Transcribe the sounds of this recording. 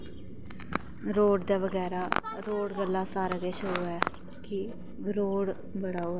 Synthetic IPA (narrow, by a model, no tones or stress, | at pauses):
ɾoːɖd̪aːʋəɡɛːɾaːɾoːɽɡəlːãːsaːɾəɡeːʃoːɛː | kɪ | ɾoːɽ | bəɽaːoːɛː